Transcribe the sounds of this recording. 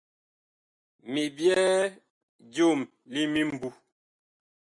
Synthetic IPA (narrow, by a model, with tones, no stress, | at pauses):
mi˨bjɛ˦ | d͡ʒo˦˨m | li˦mi˦m˨bu˦